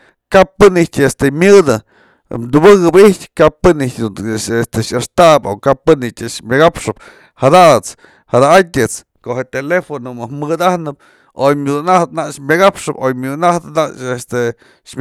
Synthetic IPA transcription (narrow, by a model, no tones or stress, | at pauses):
kapːɨnihtʲest̪emʲɨd̪ɨ̰ | md̪ubɨɣɨbihtʲkapɨnihtʲd̪uest̪eʃaʂt̪abokapːɨnitʲɨʂmʲɨɡapʂɨp̚ | had̪aʔt͡s | had̪aatʲɨt͡s | kohet̪elefonomɨhmɨd̪ahnɨp̚ | ojmʲud̪unaht̪naʔʂmʲɨɡapʂɨpojmʲud̪unaht̪ɨnaʔʂest̪e | ʃmʲ